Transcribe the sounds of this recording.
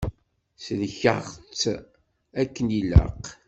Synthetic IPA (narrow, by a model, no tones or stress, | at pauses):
slçəʁt͡sː | ækːənilə̰q